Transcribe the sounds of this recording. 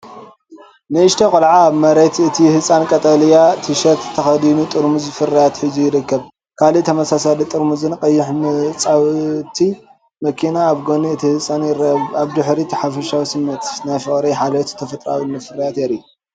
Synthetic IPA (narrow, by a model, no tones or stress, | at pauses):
nɨɨʃt̪ʰɐkʼɨlʕaːβmɐɾet̪ɨt̪ʰihɨsʼankʼɐt̪ʼɐlijat̪ʰɨʃɐt̪t̪ʰːɐxɐd̪inut̪ʼɨɾmuzfɨrɐjat̪ħɨzujɪɾɨkːɐβ | kʰalit̪ʰɐmɐsasalit̪ʼɨɾmuzɨnkʼɐjːɪħmɨt͡sʼawt̪ʰi | mɐkʰinaːβɡoniɨt̪ʰihɨsʼanjɪɾɐaβd̪ɨħɾit̪ʰiħafɐʃawisɨmːɐt̪najfɨχʼɾiħalɐt̪t̪ʰɐfɐt̪ʼɾa̰winɨfɨɾɐjat̪jɛɾi